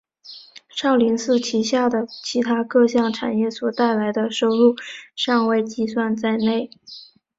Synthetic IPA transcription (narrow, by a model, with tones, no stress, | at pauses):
ʂɑ˥˩ʊli˧˥ŋsɹ̩˥˩t͡ɕʰi˧˥ɕja˥˩d̪ə˩t͡ɕʰi˧˥t̪ʰa˥kɤ˥˧ɕjɑ˥˩ŋʈ͡ʂʰa̰˨˩njɛ˥˩swɔ˨˩t̪a˥˩ɪla˧˥ɪd̪ə˧ʂo˥ʊɻu˥˩ʂɑ˥˧ŋwe˥˧ɪt͡ɕi˥˧swa˥˧nt͡sa˥˧ɪne˥˩ɪ